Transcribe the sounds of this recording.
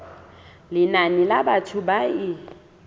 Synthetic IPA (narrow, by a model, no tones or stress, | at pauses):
lɪnanilabatʰʊbai